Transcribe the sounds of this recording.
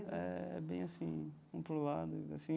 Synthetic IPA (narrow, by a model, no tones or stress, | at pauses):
ɛɛ̰bẽj̃ɐsĩ | ũpɾulad̪ʊa̰sĩ